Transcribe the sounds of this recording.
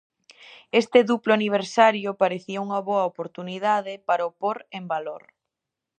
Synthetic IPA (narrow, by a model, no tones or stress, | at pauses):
est̪ɪðuplʊaniβ̞eɾsaɾjʊpaɾeθiɐuŋɐβoɐopoɾt̪uniðaðɪpaɾɐopoɾembaloɾ